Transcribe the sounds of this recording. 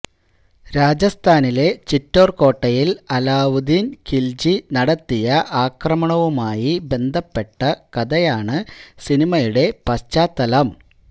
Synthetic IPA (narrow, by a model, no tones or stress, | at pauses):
ɾaːd͡ʑɐst̪ʰaːnile̞t͡ɕitːo̞ːrko̞ːʈːɐjilɐlaːʋud̪inkʰild͡ʑinɐɽɐt̪ːijɐʔaːkrɐmɐɳɐʋumaːjibe̞nd̪ʱɐpːe̞ʈːɐkɐd̪ɐjaːɳɨsinimɐjuɽe̞pɐst͡ɕaːt̪ːɐlɐm